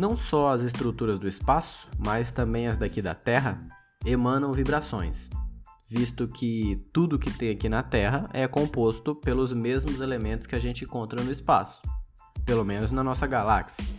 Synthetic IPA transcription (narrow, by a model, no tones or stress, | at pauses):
nɐ̃w̃sɔɐzɪs̬t̪ɾut̪uɾɐzd̪ʊɪspasʊ̥mɐst̪ɐ̃mbẽj̃ɐzd̪akid̪ɐ̰t̪ɛɦɐ | emɐ̃nɐ̃w̃vibɾasõ̰j̃s | vist̪ʊkʰɪt̪ud̪ʊkɪt̪ẽj̃akinɐt̪ɛɦɐʔɛkõpost̪ʊpelʊzmezmʊzelemẽnt̪ʊskɪaʒẽnt͡ʃɪ̃kõnt̪ɾɐnʊɪspa̰sʊ̥ | pelomẽnʊznɐnɔsɐɡalaksjɐ